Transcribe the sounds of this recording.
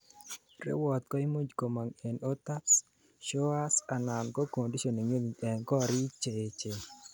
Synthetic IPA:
ɾɪ̰˦wɔ˨t̪̚kɔ˦i˦mu˦d͡ʒko˨ma˨ŋe˨no˦t̪a˦s | ʃɔ˦a˦sa˨na˨nkɔ˦ko˨ndi˦ʃo˨ni˨ŋo˦ni˨ɛ˨ŋkɔ˦ɾɪ˦t͡ʃe˨t͡ʃe˨

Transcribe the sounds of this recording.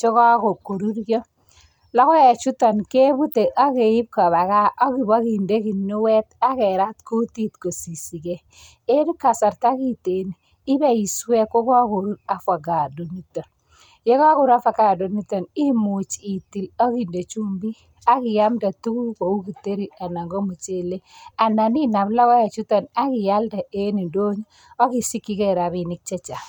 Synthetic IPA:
t͡ʃo˦ka˦ko˨ko˨ɾu˦ɾɡɔ˦ | lɔ˦kɔ˦ɛ˨t͡ʃu˦tɔ˨nke˦bu˦te˨ʔa˦ke˨ji˦p̚ka˨βa˨ka˦ʔɔ˦ki˨ba˦ki˨nde˦ki˨nːu˦wɛ˦ta˦kɛ˨ɾa˦tku˦ti˦tko˨si˨si˨ke˨ | e˦du˦ka˨sa˨ɾta˦ki˨te˨niː˨˦ | bɛ˦˨i˨swe˦ko˦kɔ˦ko˨ɾu˦ɾa˨fa˨ɡa˨do˨ni˦tɔ˨n | jɛ˦ka˦kʊ˨ɾa˦fa˦˨ka˨do˨ni˦tɔ˨ni˦mu˨t͡ʃi˨ti˨la˦ki˨nde˨t͡ʃu˦mbi˦ | a˦kɪ˨ja˦mda˨tu˦ku˦ko˨u˦ki˨te˦ɾi˦a˨na˨ŋɡo˦mu˨t͡ʃe˦˨le˦a˨na˨ni˦na˨bla˦kɔ˦ja˨t͡ʃu˦tɔ˨na˦kɪ˨ja˦lda˨e˦ni˨ndo˦ɲ˦ | ɔ˦ki˨si˦kːi˦kɛ˦ɾa˨bi˨nɪ˦k̚t͡ʃɛ˦t͡ʃa˨

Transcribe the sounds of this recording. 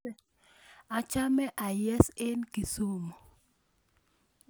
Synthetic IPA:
a˨t͡ʃa˦mɛ˦ʔa˨jɛ˦se˦nki˨so˦mo˨

